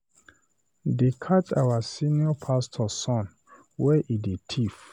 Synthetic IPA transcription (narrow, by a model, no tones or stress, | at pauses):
dekʰat͡ʃawasiniɔpʰastʰɔsɔ̃n | wɛʔidetʰif